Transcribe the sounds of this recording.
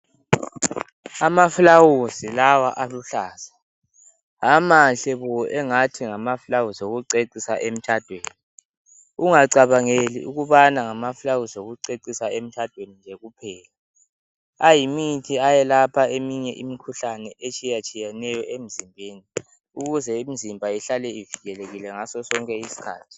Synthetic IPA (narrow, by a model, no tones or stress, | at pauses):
amafulawusilawaʔaluɬaːsḁ | amaɬɛβɔʔɛŋatʰiŋamafulawusioɣuǀeǀisa̰ʔem̩t͡ʃʰad̥ʱweːni | uŋaǀaβaŋelḭuɣuβanaŋamafulawusoɣuǀeǀisaem̩t͡ʃʰad̥ʱwenind͡ʒʱɛɣupʰɛːla | ajimitʰiajɛlapʰaemiɲɛʔimikʰuɬanɛʔet͡ʃʰʼijat͡ʃʼijɛnɛjɔʔem̩zimbʱeːni | uɣuzɛimizimbʱaiɬalɛiviɣɛleɣilɛŋasɔsɔŋkʼɛisi̥kʰa̰ːtʰi̥